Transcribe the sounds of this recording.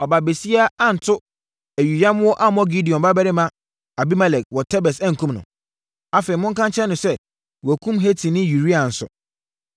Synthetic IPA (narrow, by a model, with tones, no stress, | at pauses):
ɔ˨ba˨be˨si˦a˦a˦n̩˨tʰʊ˦ | æ˨ɥu˨ja˦m˦wɔ˦ʔa˦mɔ̃˦ɡi˦di˨ɔ̃˨mba˦bɛ˦ɾɪ˦mã˦ | a˨bi˦ma˦lɛ˨k̚wɔ˨tʰɛ˦bɛ˨sã˦ŋ̩˨kʰũ˦mnʊ̰̃˨ | a˨fe˨i˨mʊ̃˦ŋ˦kʰã˦ɲt͡ɕʰɛ̃˦nʊ̃˨sɛ˦ | wɔ˨æ˨kʰũ˦mɦe˦tʰĩ˨nɪ̃˦ju˨ɾi˦ã˨n̩˨sʊ̰˨